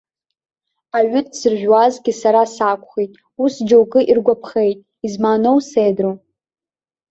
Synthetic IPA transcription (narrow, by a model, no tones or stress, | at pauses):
aɥʏtʰʼsɨrʒʷᶣwazɡʲɪsaɾasakʷʰʼχijtʼ | usd͡ʒowkʼɨʔirɡʷapʰχejtʼ | izmaːnowsejdrow